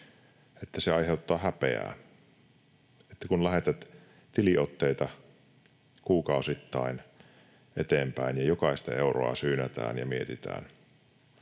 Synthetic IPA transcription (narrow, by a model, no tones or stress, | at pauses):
et̪ːæseɑiheut̪ːɑːhæpḛæ̰ː | et̪ːækunlæhet̪æt̪ | t̪iliʔot̪ːeit̪ɑ | kuːkɑusit̪ːɑin | ʔḛt̪eːmpæinjɑjokɑist̪ɑeuro̰ɑ̰syːnæt̪æ̰ːnjɑmiet̪it̪æ̰ːn